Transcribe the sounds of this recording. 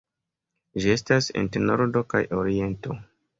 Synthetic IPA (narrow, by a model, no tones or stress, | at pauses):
ʒie̞stasḛnteno̞ɾdo̞ka̰jʔoɾie̞nto̞